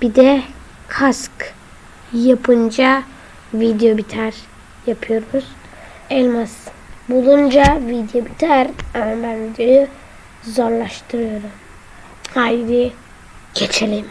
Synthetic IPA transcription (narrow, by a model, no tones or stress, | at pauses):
b̥id̪ɛ | kʰask | japʰɯnd͡ʒa | vid̪jo̞bit̪ʰæɾ | japʰɯjo̞ɾˠuz̥ | ɛlʲmas | bulˠund͡ʒavid̪jo̞bit̪ʰæɾambænd̪yø | zo̞ɾlˠaʃt̪ʰɯɾɯjo̞ɾum | hajdɯ | ɟ̥et͡ʃʰelʲim